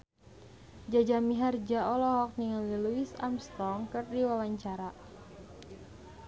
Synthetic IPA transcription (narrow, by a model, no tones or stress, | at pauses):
d͡ʒad͡ʒamiɦard͡ʒaɔlɔɦɔk̚niŋaliluisa̰mst̪ɔŋkɨrdiwawaɲt͡ʃaɾa